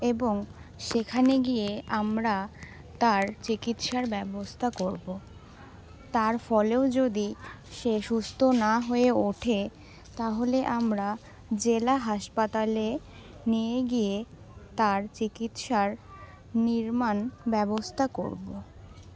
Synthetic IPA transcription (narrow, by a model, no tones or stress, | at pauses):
eboŋʃekʰaneɡijeamɾa | t̪aɾt͡ɕikit̪ʃaɾbɛbost̪ʰakoɾbo | t̪aɾfɔleod͡ʑod̪i | ʃeʃust̪ʰonaɦoeoʈʰe | t̪aɦoleʔamɾa | d͡ʑelaɦaʃpat̪ale | nijeɡije | t̪aɾt͡ɕikit̪ʃaɾ | niɾmanbɛbost̪ʰako̰ɾbo